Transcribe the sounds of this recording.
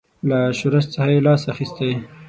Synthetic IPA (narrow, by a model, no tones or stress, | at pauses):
laʃuɾast͡səxajelɑsaxist̪aj